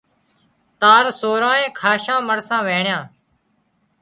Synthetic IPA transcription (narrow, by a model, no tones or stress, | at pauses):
t̪aːɾsoːɾãːẽːkʰaːʃãːməɽsãːʋeːɳjãː